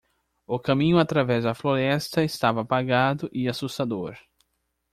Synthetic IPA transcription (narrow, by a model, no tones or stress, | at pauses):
ʊkɐ̃mĩɲʊat̪ɾavɛzd̪ɐfloɾɛst̪ɐɪst̪avɐːpaɡad̪ʊʔɪasust̪ad̪oɾ